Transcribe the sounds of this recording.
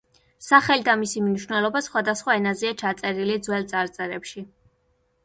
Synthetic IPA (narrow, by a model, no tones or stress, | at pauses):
saχɛlid̪amisimniʃwnɛlˠɔbasχwad̪asχwaɛnaziat͡ʃʰat̪sʼɛɾilid̪zwɛlˠt̪sʼaɾt̪sʼɛɾɛpʃi